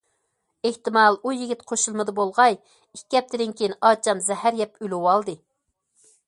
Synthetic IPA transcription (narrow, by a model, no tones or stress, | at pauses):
eht̪ɨmɑlˠujiɡʲit̪qʰoʃulˠmɨd̪ɨbolˠʁɑj | ikʲːɛp̚t̪ɪd̪ɪnkʲʰejinɑːt͡ʃʰɑmzɛhæɾjɛpyluwɑlˠd̪ɨ